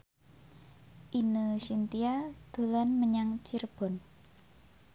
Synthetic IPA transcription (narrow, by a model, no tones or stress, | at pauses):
ʔinəsint̪iad̪̥o̤lanməɲaŋt͡ʃirb̥ɔ̤n